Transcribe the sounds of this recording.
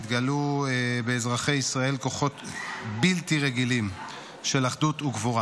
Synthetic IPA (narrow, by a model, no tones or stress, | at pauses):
t̪ɡaluebeːzʁaχe̞jisʁae̞lko̞χo̞t̪biltiʁeɡilim | ʃe̞laχd̪utuɡvoʁa